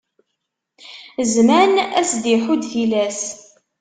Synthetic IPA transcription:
zmænæ̰sd̪iħud̪θilæs

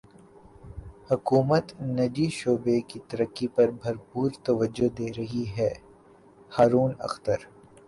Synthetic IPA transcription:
hʊkuːmət̪nɐd͡ʒiʃoːbekit̪ɐɾəkːipɐɾbʱɐɾpuːɾt̪ɐʋəd͡ʒːod̪eːɾɐɦiɦɛː | haːɾuːnɐ̰xt̪əɾ

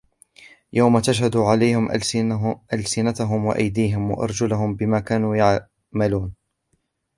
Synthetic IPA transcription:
jawmat̪aʃhad̪uːʕalajhɪm | ʔalsɪnat̪aɦʊmwa̰ʔa̰jd̪iːɦɪmwa̰ʔɑ̰ɾˤd͡ʒʊlʊɦʊmbɪmaːkaːnuːjaʕ | maluːn

